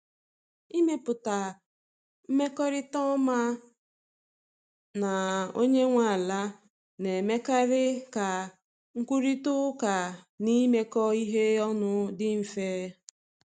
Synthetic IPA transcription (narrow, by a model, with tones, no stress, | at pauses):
i˦me˦pʊ˨ta˨ | m̩˦me˦kɔ˦ɾɪ˦tɔ˦ma˦ | na˨o̰˦ɲe˦ŋʷa˨la˦ | ne˨me˦ka˦ɾɪ˦ka˨ | ŋ̩˦kʷu˦ɾi˦tʊ˦ka˨ | ni˦me˦kɔ˦i˦ɦe˦ɔ˦nʊ˦dɪ˦m̩˨feː˦